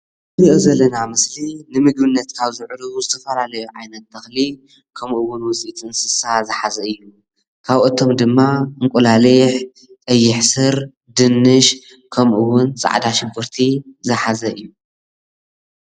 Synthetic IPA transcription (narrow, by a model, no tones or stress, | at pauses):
ɨbiʔuzɐlːɐnamɨslinɨmɨɡbɨnːɐt̪kʰaβzɨʕɾuuzɨt̪ʰɐfɐlalɐjuʕajnɐt̪ːɐxli | kʰɐmʔuwʊnwʊt͡sʼit͡s̪ʼɨɨnsɨsazɨħazɐɨjːu | kʰaβʔot̪ʰo̞md̪ɨmːaɨŋkʷʼulalɐjħ | t̪ʼɐjːɪħsɨɾ | d̪ɨnːɨʃ | kʰɐmʔuwʊnt͡sʼa̰ʕd̪aʃɪbɨɾt̪ʰizɨħazɐʔɨjːu